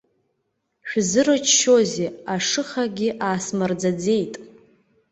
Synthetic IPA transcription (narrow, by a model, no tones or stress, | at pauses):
ʃᶣzɨɾɨt͡ʃʰʃo̞zeaʂɨχaɡʲɪʔaːsmard͡zad͡ze̞jtʼ